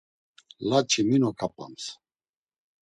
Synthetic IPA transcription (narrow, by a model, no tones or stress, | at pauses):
lat͡ʃʰiminɔkʰapʼa̰ms